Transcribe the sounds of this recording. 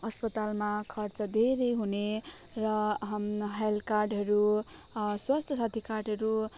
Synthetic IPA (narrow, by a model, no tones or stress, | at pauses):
ʌspʌt̪almakʰʌrt͡sʌd̪ʱeɾʌjɦune | rʌɦʌmɦelkarɖɦʌɾu | swast̪ʰʌsat̪ʰikarɖɦʌɾu